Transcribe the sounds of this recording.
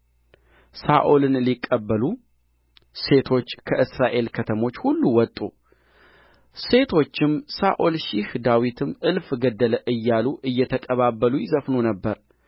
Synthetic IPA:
saʔolɨnlikʼːəbːəlu | se̞t̪ʰo̞t͡ʃːkʰəʔɨsɾaʔe̞lkʰət̪ʰəmo̞t͡ʃːhulːuwɔt̪ʼːu | se̞t̪ʰo̞t͡ʃːɪmsaʔolʃihd̪awit̪ʰɨmʔɨlfɡəd̪ːələʔɨjːaluʔɨjːɛt̪ʰəkʼəβabːəlujɪzəfnonəbːəɾ

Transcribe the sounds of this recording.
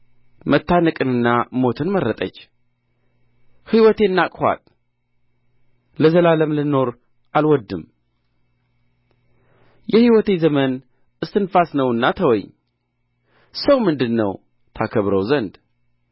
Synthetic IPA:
mət̪ːanɨkʼɨnɨnːamo̞t̪ʰɨnməɾːət̪ʼə̰t͡ʃː | hiwɔt̪ʰe̞nːakʼha̰t̪ʼ | ləzəlaləmlɨno̞ɾ | ʔalwɔd̪ːɨm | jɛhiwɔt̪e̞zəmən | ʔɨst̪ɨnfasnəwɨnːat̪ʰəwɔ̰ɲ | səwmɨnd̪ɨnːə̰w | t̪ʰakʰəβɾəwzənd̪

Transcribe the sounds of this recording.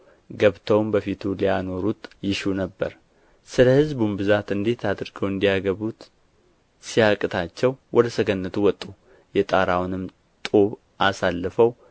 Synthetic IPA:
ɡəβt̪ʰəwmbəfit̪ʰulijano̞ɾut̪jɪʃunəbːə̰ɾ | sɨləhɨzbumbɨzat̪ɨnd̪e̞t̪ʰad̪ɾɡəwɨnd̪ijaɡəβut̪ | sijakʼɨt̪ʰat͡ʃːɛwwʔɔd̪əsəɡənːət̪ʰuwɔt̪ʼːu | jɛt̪ʼaɾawnɨm | t̪ʼoβ | ʔasalːəfəw

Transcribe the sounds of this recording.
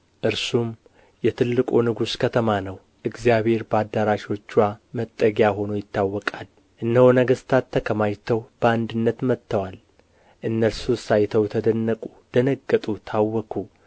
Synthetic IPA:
ʔɨɾsum | jɛt̪ʰɨlːɨkʼunɨɡuskʰət̪ʰəmanəw | ʔɨɡzjaβhe̞ɾbəad̪ːəɾaʃiwo̞t͡ʃːwamət̪ʼːəɡjaɦo̞nojɪt̪ʰːawːɔkʼal | ʔɨnːəhonəɡəst̪ʰat̪ʰːəkʰəmajt̪ʰəwb̥əand̪ɨnːət̪mət̪ʰːəwal | ʔɨnːəɾsusajt̪ʰəwt̪ʰəd̪ənːəkʼud̪̥ənəɡːət̪ʼut̪ʰawːɔkʰu

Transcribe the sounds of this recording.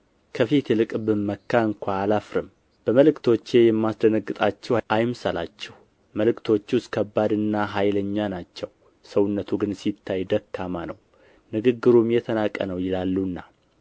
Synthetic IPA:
kʰəfit̪lɨkʼbɨmːəkʰːaɨŋkʷʰaːlafɾɨm | b̥əməlɨkt̪ʰo̞t͡ʃːe̞jɛmːasd̪ənəɡːɨt̪ʼat͡ʃːɛʔajmsala̰t͡ʃːɛh | məlɨkt̪ʰo̞t͡ʃːwʊskʰəbːad̪ɨnːaɦajləɲːanat͡ʃːɛw | səwʊnːət̪ʰuɡɨnsit̪ʰːajd̪əkʰːamanəw | nɨɡɨɡːɨɾumjɛt̪ʰənakʼːə̰nəwjɪlalːunːa

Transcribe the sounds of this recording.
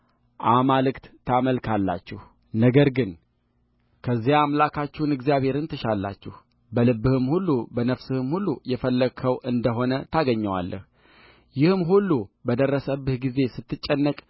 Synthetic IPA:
ʔamalɨkt̪t̪ʰːaməlkʰalːa̰t͡ʃːɪh | nəɡəɾɡɨn | kʰəzːijaamlakʰat͡ʃːɪhnɨɡzijaβhe̞ɾɨnt̪ɨʃalːa̰t͡ʃːɪh | bəlɨbɨhɨmhulːubənəfsɨhɨmhulːujɛfəlːəkʰəwʔɨnd̪əɦo̞nət̪ʰaɡəɲːəwa̰lːʔə̰h | jɪhmɦulːubəd̪ərːəsəbːɨhɡize̞sɨt̪ʰːɨt͡ʃʼːɛnːəkʼ

